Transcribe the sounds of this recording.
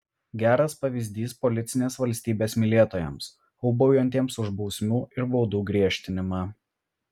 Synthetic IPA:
ɡʲæːɾɐspɐʋʲɪzʲd̪ʲiːspɔlʲɪt̪sʲɪnʲeːsʋɐlʲsʲt̪ʲiːbʲeːsmʲɪlʲiɛt̪oːjɛ̰ms | ɔʊbɔʊjonʲt̪ʲiɛmsʊʒbɔʊsʲmʲuːɪɾbɔʊd̪uːɡɾʲiɛʃʲt̪ʲɪnʲɪmɑː

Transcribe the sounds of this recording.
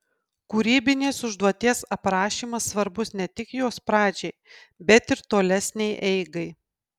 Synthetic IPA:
kuːɾʲiːbʲɪnʲeːsʊʒd̪uɔt̪ʲiɛsɐpɾɑːʃʲiːmɐsːʋɐɾbʊsnʲɛt̪ʲɪkjoːspɾɑːd͡ʒʲɛɪbʲɛt̪ɪɾt̪oːlʲɛsʲnʲɛɪʔɛɪɡɐɪ

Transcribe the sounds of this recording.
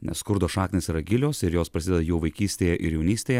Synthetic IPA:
nʲɛ̰sskʊɾd̪oːʃɑːknʲeːsʲiːɾɐɡʲɪlʲoːsɪɾjoːspɾɐsʲɪd̪ʲɛd̪ɐjuːʋɐɪkʲiːsʲt̪ʲeːjɛʔɪɾjɛʊnʲiːsʲt̪ʲeːjɛ

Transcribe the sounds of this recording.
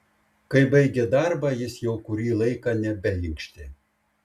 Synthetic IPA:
kɐɪbɐɪɡʲɛd̪ɑɾbɑjɪsjɛʊkʊɾʲiːlˠɐɪkɑnʲɛbʲɛlʲɪŋʲkʃʲt̪ʲɪ

